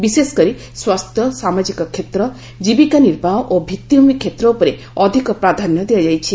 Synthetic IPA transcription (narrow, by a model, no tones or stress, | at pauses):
bisesɔ̥kɔɾi | swast̪ʰjɔsamad͡ʒikɔkʰːet̪ɾɔ | d͡ʒibikaniɾbaɦɔʔobʱit̪ːjiumikʰːet̪ɾɔupɔɾe | ɔd̪ʱikɔpɾad̪ʱanjɔd̪ejad͡ʒajt͡ʃʰi